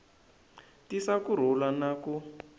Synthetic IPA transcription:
tisakuɾ̤ɔlanaku

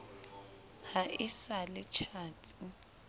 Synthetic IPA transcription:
haʔɪsalɪt͡ʃʰaːtʰʼi

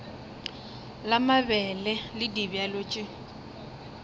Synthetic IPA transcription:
lamaβɛlɛlɪdibjaloːt͡ʃʼɪ

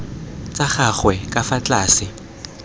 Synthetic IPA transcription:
t͡sʼaχaχwɛkʼafat͡ɬʼaːsɪ

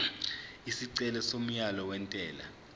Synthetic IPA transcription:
isiǀɛlɛsom̩jalɔwɛntʼɛːla̰

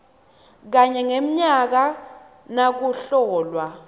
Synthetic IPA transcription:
k̬aɲɛŋem̩ɲak̬a | nak̬uɬɔːlwa

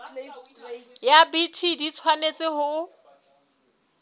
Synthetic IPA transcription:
jabitʰidit͡sʰwanet͡sʼɪhʊʊ

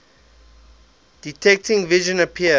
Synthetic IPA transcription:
d̥itʰɛk̚tɪ̃ŋviʒə̃nəpʰiə

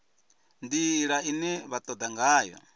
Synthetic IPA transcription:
nd̪iɺainɛβat̪ʼɔd̪aŋɡaːjɔ̰

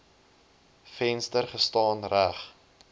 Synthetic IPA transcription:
fɛnstərχəstɑːnræχ

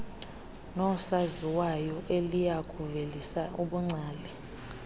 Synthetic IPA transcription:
nɔsaziwajɔʔelijakʰʼuvelisaʔuɓuŋ͡ǀaːlɛ

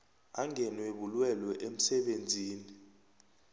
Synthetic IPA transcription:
aŋɛnweɓulwɛlwɛʔem̩sɛɓend͡zʱiːni

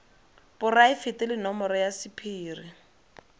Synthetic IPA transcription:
bʊraɪfɪtɪlɪnɔmɔɾɔjasɪpʰiːri

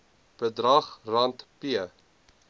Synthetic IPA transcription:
b̥ədrɐχrɐntpiə

